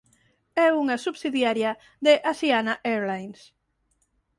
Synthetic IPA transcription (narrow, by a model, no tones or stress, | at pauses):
ɛuŋasuβsiðjaɾjɐ | ðeʔasianaʔeɾlajns